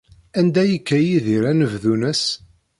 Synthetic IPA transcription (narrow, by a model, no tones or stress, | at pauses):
ænd̪æjəkːæjiðiɾænəvðunəs